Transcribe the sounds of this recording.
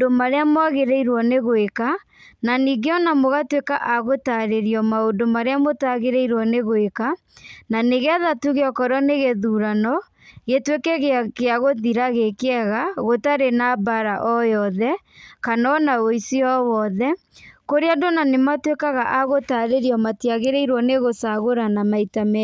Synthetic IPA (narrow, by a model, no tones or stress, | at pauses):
domaɾeamwaɣeɾeiɾwɔneɣoeka | naniɡeɔnamoɣatwekaʔaɣotaɾeɾiɔmaondomaɾeamotaɣeɾeiɾwɔneɣoeka | naneɣeaðatuɣeɔkɔɾɔneɣeðuɾanɔ | ɣetwekɛɣekeaɣoðiɾaɣekeaɣaɣotaɾenabaɾaʔɔjɔðɛ | kanɔnaoisiɔwɔðɛ | koɾeandonanematwekaɣaʔaɣotaɾeɾiɔmatiaɣeɾeiɾwɔneɣosaɣoɾanamaitamɛ